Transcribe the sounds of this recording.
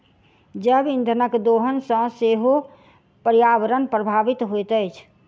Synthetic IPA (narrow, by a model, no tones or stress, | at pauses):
d͡ʒəbind̪ʱənəkd̪oɦənsə̃seɦo | pəɾijabəɾənpɾəbʱabit̪ɦojt̪əjt͡ʃʰ